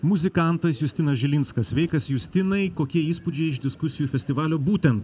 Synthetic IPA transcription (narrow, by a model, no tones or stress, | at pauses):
mʊzʲɪkɑˑnt̪ɐsjʊsʲt̪ʲɪnɐsʒʲɪlʲɪnskɐsʋʲɛɪkɐsjʊsʲt̪ʲɪnɐɪkoːkʲiɛiːspud͡ʒʲɛɪɪʒd̪ʲɪskʊsʲɪjuːfʲɛsʲt̪ʲɪʋɑːlʲoːbuːt̪ʲɛnt̪